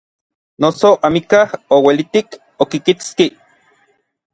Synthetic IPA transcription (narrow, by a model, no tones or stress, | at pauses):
nosoʔamikahowelit̪ik | okikit͡ski